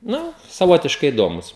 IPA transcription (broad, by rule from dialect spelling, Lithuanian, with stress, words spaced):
ˈnʊ sɐˈʋoːtʲɪʃkɐɪ ɪˈdoːmʊs